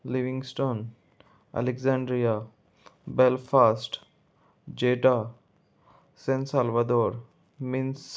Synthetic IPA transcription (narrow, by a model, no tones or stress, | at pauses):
liʋĩŋɡsʈoːn | ɐ̰lekzãɳɖɾija | belfʰaːsʈ | d͡ʒeːʈa | sẽnsalʋɐd̪oːɾ | mins